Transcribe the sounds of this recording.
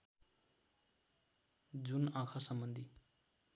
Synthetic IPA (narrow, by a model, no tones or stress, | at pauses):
d͡zunãkʰasʌmbʌnd̪ʱi